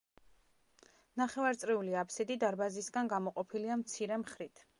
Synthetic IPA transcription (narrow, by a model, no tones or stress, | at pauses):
naχɛvaɾt̪sʼɾiuliapʰsid̪id̪aɾbazisɡanɡamɔqʼɔpʰiliamt̪sʰiɾɛmχɾit̪ʰ